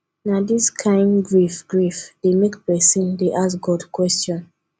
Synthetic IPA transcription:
nadiskʰãɪ̃ndɡɹifɡɹifd̥emekpɛsĩndeʔasɡɔdkwɛstɔ̃n

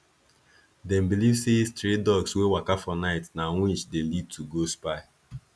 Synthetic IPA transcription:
dɛm̩bilivsestɾetdɔɡswewakafɔnaɪtnaŋʷit͡ʃdelid̚tʰuɡospaɪ

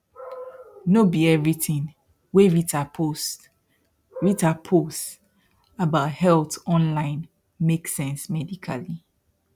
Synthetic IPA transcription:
nobiɛvɹitĩŋ | weɹitʰapʰost | ɹitapʰost | abaʊthɛltɔ̃nlãɪ̃n | meksɛ̃nsmɛdikʰali

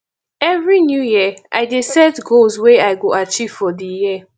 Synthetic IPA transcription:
ɛvɹinjujiʔa̰ɪdesɛtɡolzweaɪɡoat͡ʃiv̥fɔdiji

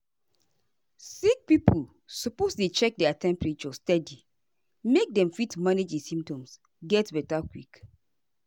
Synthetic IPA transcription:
sik̚pipʰu | sɔpostet͡ʃɛk̚dɛatɛ̃mpɹet͡ʃɔstɛdi | mek̚dɛ̃mfitmaned͡ʒdisĩmp̚tɔ̃ms | ɡɛtbɛtakwik

